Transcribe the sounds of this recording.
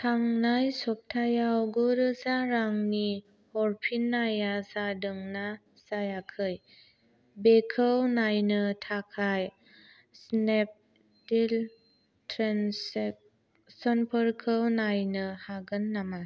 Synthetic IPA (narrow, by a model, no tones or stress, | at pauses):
tʰaŋnajsɔp̚tʰajawɡuɾɯsaɾaŋni | hɔɾpʰinːajasadɯŋna | sajakʰɯj | bekʰɯwnajnɯtʰakʰaj | snep̚ | dil | tʰɾens̚ | sɔnpʰəɾkʰɯwnajnɯhaɡɯnːama